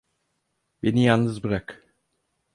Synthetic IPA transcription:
benijannːɯzbɯɾak

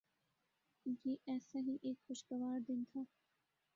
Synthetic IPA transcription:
jeːʔɛːsaɦiʔeːkxʊʃɡɐʋaːɾd̪ɪnt̪ʰaː

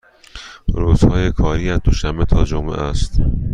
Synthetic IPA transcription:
ɾoːz̥hɒːjekʰɒːɾiːæd̪oʃæmbet̪ʰɒːd͡ʒomḛʔæst̪

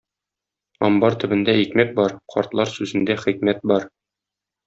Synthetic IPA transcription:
ɒ̰mbɑɾt̪ɵ̆bɘ̆nd̪æikmæt̪̚bɒɾqʰɒ̰ɾt̪lˠɑɾsʉzɘ̆nd̪æχik̚mæt̪̚bɒɾ

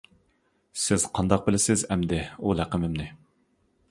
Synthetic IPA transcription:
sɪz̥qʰɑnd̪ɑq̚bɪlɪsɪzɛmd̪ɪulæqəmɪmnɪ

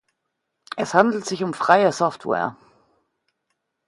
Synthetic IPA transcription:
ʔɛshandl̩tz̥ɪçʊmfʁ̥aɪəsɔftwɛ̰ːɐ̰

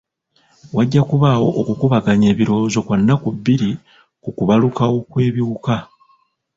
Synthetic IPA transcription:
waɟːakuβawo̞ʔːkukuβaɡaɲe̞ːβiɾo̞ːzo̞kwanːakuβːiɾi | kukuβalukawo̞kwe̞ːβjiuka

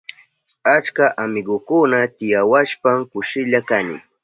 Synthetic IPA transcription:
at͡ʃkaʔamɪɢʊkʊnat̪ɪjawaʃpamkʊʃɪʎakanɪ̰

